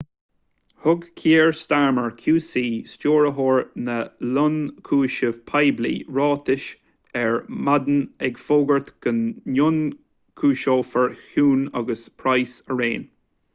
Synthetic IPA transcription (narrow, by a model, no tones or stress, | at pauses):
hʊɡkʰiːɹst̪aɹməɹkʰjuːsiːst͡ʃoːɹəɦoːɹnəlʊnkʰuːʃəv̥pʰajblḭːɹɑːt̪ɪʃ | ɛɹmad̪ənɛɡfoːɡəɹt̪ɡ̥ənːjʊn | kʰuːʃoːfəɹhuːnɔ̰ɡəspʰɹajsəɹeːn